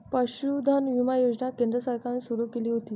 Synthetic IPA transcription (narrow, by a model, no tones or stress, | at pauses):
pəɕud̪ʱanʋimajod͡ʑnakend̪ɾəsaɾkʰaɾniːsuɾuːkeliːɦot̪iː